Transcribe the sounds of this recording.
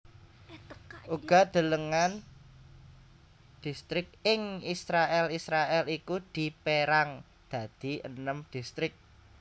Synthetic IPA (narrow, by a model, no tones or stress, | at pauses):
ʔuɡ̥a̤d̪̥ə̤ləŋan | d̪̥i̤st̪ɾɪk̚ɪŋisɾaʔɛlisɾaʔɛlikud̪̥i̤peɾaŋ | d̪̥ä̤d̪̥i̤ʔə̰nəmd̪̥ist̪ɾɪk̚